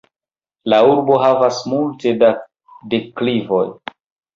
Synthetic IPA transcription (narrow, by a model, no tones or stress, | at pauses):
lauɾbo̞ɦavasmulte̞da | de̞klivo̞̰j